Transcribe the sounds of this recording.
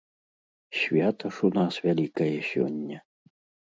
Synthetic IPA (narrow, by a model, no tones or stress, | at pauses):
ɕʲvʲat̪ɐʂunasvʲalʲikɐjɛsʲɔ̰nʲːɐ